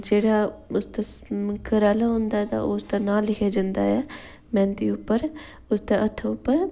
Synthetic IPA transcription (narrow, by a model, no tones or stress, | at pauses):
d͡ʒeːɽaːʊst̪aːkəɾaːlaɦõːnd̪aːɦɛːt̪a̰st̪aːnaːlːɪkʰaːd͡ʒãːnd̪a̰ːɦɛː | mɛ̃ːnət̪iːʊpːəɾ | ʊsd̪aʔət̪ʰːʊpːəɾ